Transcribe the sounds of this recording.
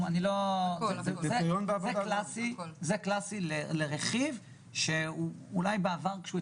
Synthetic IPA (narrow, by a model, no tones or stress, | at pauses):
anilo | ezeajonbeavzaedklasizeklasileleʁeχiv | ʃeuulajbeavaʁkʃeu